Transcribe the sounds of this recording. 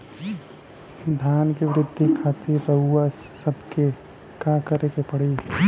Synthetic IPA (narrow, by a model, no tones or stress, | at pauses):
d̪ʱaːnkeʋɾɪd̪ʱːikʰat̪ʰipəɦuasːəbʱke | kakəɾekepəɽi